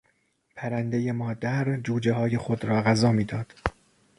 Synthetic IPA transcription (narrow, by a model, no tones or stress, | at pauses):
pʰæɾænd̪e̞je̞mɒːd̪æɾd͡ʒuːd͡ʒe̞ɦɒːje̞xod̪ɾɒːɣæzɒːmiːd̪ɒːd̪̥